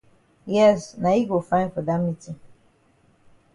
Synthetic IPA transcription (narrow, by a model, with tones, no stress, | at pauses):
jɛ˦sna˨i˦ɡo˨fãɪ̃nfə˨dã˦miti˨